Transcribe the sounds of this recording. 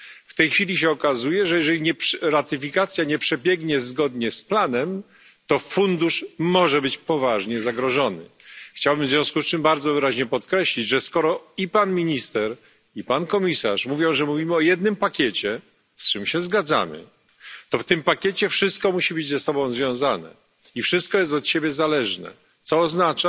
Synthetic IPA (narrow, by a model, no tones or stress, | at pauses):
ft̪ɛjxfʲilʲiɕ̬ɛɔkazujɛʐɛjɛʐɛlʲiɲɛpɾat̪ɘfʲikat̪sʲjaɲɛpʂɛbʲjɛɡɲɛzɡɔd̪ɲɛsplanɛm | t̪ɔfund̪uʂmɔʐɛbɘt͡ɕpɔvaʐɲɛzaɡɾɔʐɔnɘ̰xt͡ɕawbɘmvzvʲjɔ̃w̃skust͡ʂɘmbaɾd̪zɔvɘɾaʑɲɛpɔt̪kɾɛɕlʲid͡ʑʐɛskɔɾɔipanmʲiɲist̪ɛɾ | ipankɔmʲisa̰ʂmuvʲjɔ̃w̃ʐɛmuvʲimɘɔjɛd̪nɘmpakʲɛt͡ɕɛ | st͡ʂɘmɕɛzɡad̪za̰mɘ̰ | t̪ɔft̪ɘmpakʲjɛt͡ɕɛfʂɘst̪̚kɔmuɕibɘd͡ʑzɛsɔbɔ̃w̃zvʲjɔ̃w̃zanɛ̰ | ifʂɘst̪̚kɔjɛst̪ɔt̪ɕebʲjɛzalɛʐnɛ̰ | t̪sɔːznat͡ʂa